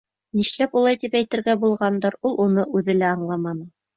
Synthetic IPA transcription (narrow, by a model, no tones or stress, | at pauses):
niʃlæpulˠɑjt̪ipæjt̪ɘ̆ɾɡæbulˠʁɑnd̪ɑɾulˠunɤʔʉðɘ̆læɑɴlˠɑmɑnɤ